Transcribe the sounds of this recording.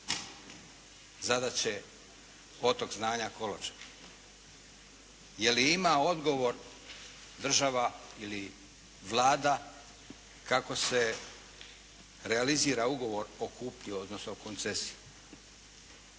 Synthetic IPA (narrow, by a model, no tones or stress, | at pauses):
zad̪at͡ɕe̞ | o̞t̪o̞kznaːɲako̞lot͡ʃ | je̞liimao̞d̪ɡo̞ʋo̞ɾ | d̪r̩ʒaʋaili | ʋlˠaːd̪a | kako̞se̞ | ɾealiziːɾauɡo̞ʋo̞ɾokuːpʎio̞d̪nosokont̪sesiu